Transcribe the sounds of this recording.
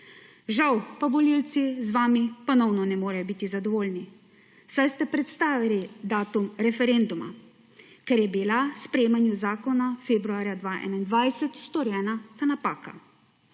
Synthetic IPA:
ʒawpabɔlilt̪sizʋaːmipɔnɔwnɔnɛmoːɾɛjɔbit̪izad̪ɔʋoːlni | sajst̪ɛpɾɛt̪st̪aːʋilid̪aːt̪umɾɛfɛɾeːnd̪uma̰ | kɛɾjɛbilaspɾɛjeːmanjuzaːkɔnafeːbɾuaːɾjad̪ʋaːʔɛ̰ːnaind̪ʋajsɛt̪st̪ɔɾjɛːnat̪anapaːka

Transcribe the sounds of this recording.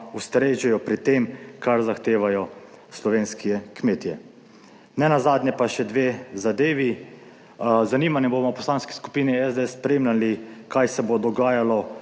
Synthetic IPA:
ust̪ɾeːʒɛjɔpɾit̪eːmkaɾzaxt̪eːʋajɔ | slɔʋeːnskiɛkmeːt̪jɛ | nɛnazaːd̪nɛpaʃɛd̪ʋeːzad̪eːʋi | zaniːmanibomɔpɔslaːnski̥sku̥piːniɛzd̪eɛsːpɾeːmlalikajsɛbod̪ɔɡaːjalɔ

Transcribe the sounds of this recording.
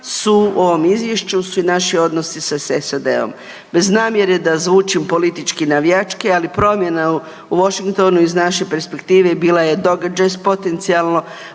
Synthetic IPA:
suo̞ʋo̞mizʋjeʃt͡ɕusuinaʃio̞d̪no̞sisasesad̪e̞̰o̞̰m | be̞znaːmje̞ɾe̞d̪azʋuːt͡ʃimpo̞lit̪it͡ʃkinaʋjat͡ʃkealipɾo̞mje̞nau | uʋo̞ʃiŋkt̪o̞nuiznaʃe̞pe̞ɾspe̞kt̪iːʋe̞biːlaje̞d̪o̞ɡad͡ʒajspo̞t̪e̞nt̪sialˠno̞

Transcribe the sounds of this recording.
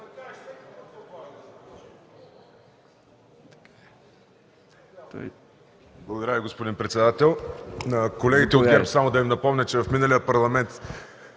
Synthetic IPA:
j | blˠɐɡod̪ɐɾaviɡospod̪inpɾɛt̪sɛd̪at̪ɛlˠnɐkolɛɡit̪ɛoɡɛpsamod̪ɐimnɐpɔmnʲət͡ʃɛvɐfminəlijəpɐɾlˠɐmɛnt̪

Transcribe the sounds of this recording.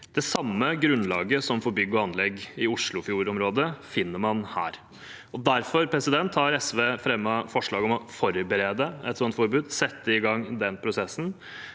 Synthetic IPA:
d̪̥ɛsɑmːəɡɾʉnlɑːɡəsɔmfɔɾbʏɡːɔɑnlɛɡːɪʊʂɭʊfjuːɾɔmɾoːd̪əfɪnːəmɑnhæ̰ːɾ | ɔd̪æɾfɔɾpʰɾɛsɪd̪ɛnt̪ʰhɑːɾɛsʋeːfɾɛmːəfɔʂɭɑːɡɔmɔfɔɾbəɾeːd̪əɛ̰t̪sɔnt̪fɔɾbʉːd̪sɛt̪ːəɪɡɑŋd̪ɛnːpʰɾʊsɛsn̩

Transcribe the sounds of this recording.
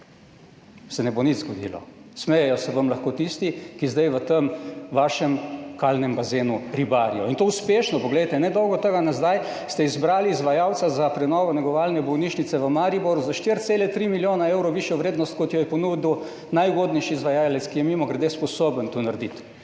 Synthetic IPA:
sɛnɛbonit̪zɡɔd̪ḭlɔ̰smɛjɛjɔsɛʋɐmlaxkoːt̪ist̪ikizd̪ajʋət̪əmʋaːʃɛmkalnɛmbazeːnuɾibaːɾiɔint̪ouspeːʃnɔpɔɡlɛjt̪ɛnɛd̪ɔwɡɔt̪əɡanazd̪aj | st̪ɛizbɾaːliːzʋajawt̪sazapɾɛnɔːʋɔnɛɡɔʋaːlnɛbɔwniʃnit̪sɛʋəmaɾiboɾuzaʃt̪iɾt̪seːlɛt̪ɾimiljoːnaewɾɔʋiʃjɔʋɾeːd̪nɔst̪̚kɔt̪jɔjɛpɔnuːd̪iw | najuɡod̪nɛjʃiːzʋajaːlɛt̪skijɛmimɔɡɾɛd̪espɔsoːbənt̪unaɾd̪it̪

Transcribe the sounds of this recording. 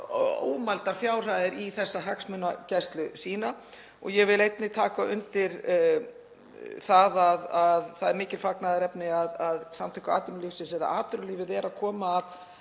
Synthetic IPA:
o̰ːwmalt̪aɾ̥fjaːwr̥ajðɪɾiθɛsːaɦaksmʏnːacɛst̪lʏsiːna | ɔ̰ɣjɛvɪlejt̪nɪt̪ʰaːkaʔʏnt̪ɪɾ | θaðaðaðθaðɛɾmɪːcɪlfaknaðaɾɛpnɪaðaðsamt̪ʰœjkʏa̰ːt̪ʏmlifsɪsɛɾða̰ʔaːt̪ʏɾʏliːvɪðɛɾaðkʰɔːmaːð

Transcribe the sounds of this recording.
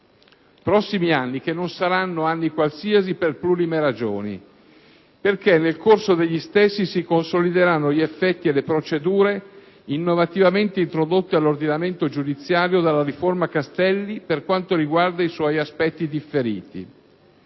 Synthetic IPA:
pɾɔsːimianːikenːonsaɾanːoanːikwalsiaziperplulimeɾad͡ʒoːnḭ | perkenːelkorsod̪eʎːist̪esːisikonsolid̪eɾanːoʎiefːɛt̪ːielepɾot͡ʃed̪uːɾe | inːovat̪ivament̪eint̪ɾod̪ot̪ːealːord̪inament̪od͡ʒud̪it̪sːjaːɾjod̪alːaɾiformakast̪ɛlːiperkwant̪oɾiɡward̪aiswɔjaspɛt̪ːid̪ifːeɾḭːt̪ḭ

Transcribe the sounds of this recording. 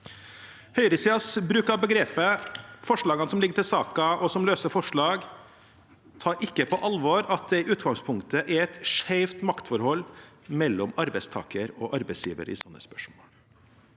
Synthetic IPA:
hœʏɾəsiːɑsbɾʉːkɑbəɡɾeːpəfɔʂɭɑːɡɑnəsɔmlɪɡəʈɪlsɑːkɑʔɔsɔmløːsəɾfɔʂɭɑːɡ | t̪ʰɑːɾʔɪkːəpʰɔʔɑlʋɔɾɑt̪̚d̪ɛɪʔʉːt̪ɡɑŋspʰʊŋkt̪əʔæɾɛt̪ʂæɪft̪mɑkt̪fɔɾhɔlː | mɛlːɔmɑɾbæɪst̪ʰɑ̰ːkəɾɔʔɑɾbæɪsjḭːʋə̰ɾɪ̰sɔnːə̰spœ̥ʂmoːl

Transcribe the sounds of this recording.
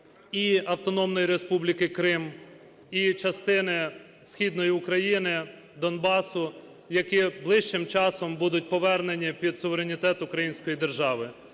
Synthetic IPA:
iɐwt̪ɔnɔmnɔjiɾe̞spublʲikɪkɾɪm | it͡ʃɐst̪ɪnɪ | sxʲid̪nɔjiʊkɾɐjinɪ | d̪ɔnbɑsʊ | jɐkiblˠɪʃt͡ʃɪmt͡ʃɑsɔmbud̪ʊt̚ʲpɔʋɛrnenʲipʲid̪sʊʋeɾenʲit̪ɛt̪ʊkɾɐjinʲsʲkɔjid̪erʒɑʋɪ

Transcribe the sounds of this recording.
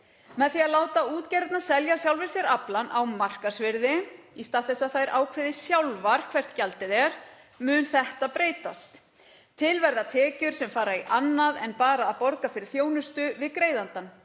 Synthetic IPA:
mɛðθiaðlaːwt̪auːt̪cɛɾt̪nasɛljasjawlvɪsɛɾaplanʔawmar̥kasvɪɾðɪist̪aːðθɛsːaðθajɾʔaːwkʰvɪːðɪsjawlvaɾ̥kʰvɛr̥t̪calt̪ɪðɛɾ̥ | mʏnθɛht̪apɾeːjt̪ast̪ | t̪ʰɪlvɛɾðat̪ʰɛːcʏɾ̥sɛmfaːɾaiʔanːaðɛnpaːɾaːðpɔɾkafɪɾɪɾ̥θjoːwnʏst̪ʏvɪðkɾeːjðant̪an

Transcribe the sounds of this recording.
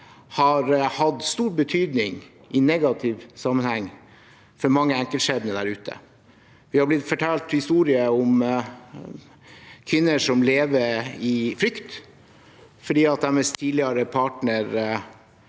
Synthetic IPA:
hɑɾhɑd̪st̪uːɾbət̪ʰyːd̪nɪŋ | ʔɪnɛɡɑt̪ʰɪʋsɑmːənhæŋː | fɔɾmɑŋːəæŋkəlʂeːbnəd̪æɾʉːt̪ʰə̰ | ʋɪhɑblɪt̪ːfɔʈʰæːlt̪hɪst̪uːɾɪəɔm | kʰʋɪnːəʂɔmleːʋəɾɪfɾʏkt̪ | fɔɖiːɑt̪̚d̪æmɛst̪ʰːiːd̪lɪəɾəpʰɑːʈɳəɾ

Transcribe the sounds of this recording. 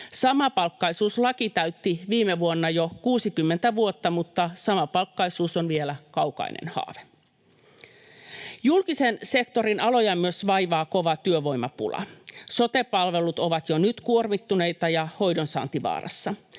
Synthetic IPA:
sɑmɑpɑlkːɑisuːslɑkit̪æyt̪ːiʋiːmeʋuonːɑjokuːsikymːent̪æʋuot̪ːɑmut̪ːɑsɑmɑpɑlkːɑisuːsonʋielækɑwkɑ̰ḭnʔḛnhɑ̰ːʋe | julkisense̞kt̪o̞ɾinɑlo̞jɑmyøsʋɑjʋɑːkoʋɑt̪yøʋo̞jmɑpṵlɑ̰so̞t̪epɑlʋe̞lut̪oʋɑt̪jonyt̪kuormit̪ːunejt̪ɑjɑho̞jdonsɑ̰ːnt̪iʋɑ̰ːrʔɑ̰sːɑ

